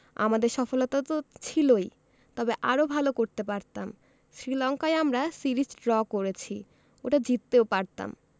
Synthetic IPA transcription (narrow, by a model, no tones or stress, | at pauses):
a̰mad̪eɾʃɔfolot̪at̪ot͡ɕʰiloj | t̪ɔbeʔa̰ɾobʱalokoɾt̪epaɾt̪am | ʃɾilɔŋkajamɾasiɾid͡ʑɖɾɔkoɾet͡ɕʰi | oʈad͡ʑit̪ːeopaɾt̪a̰m